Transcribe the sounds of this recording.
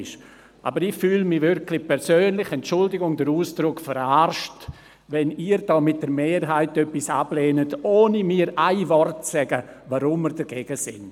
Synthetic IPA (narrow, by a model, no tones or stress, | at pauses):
ʃ | ʔa̰ːbəɾɪxfyːlmɪvʏɾkʰlɪpʰɛɾsøːnlɪxɛnt͡ʃʊldɪɡʊŋdəɾuːsd̥ɾʊkfəɾaɾʃt | ʋɛniːɾd̥ɔːmɪt̚d̥əɾmeːɾɦaɪtœpːisableːnətoːnimiːɾʔaɪvɔrtt͡sɛɡəvaɾʊmːəɾdəɡeːɡ̥əsɪn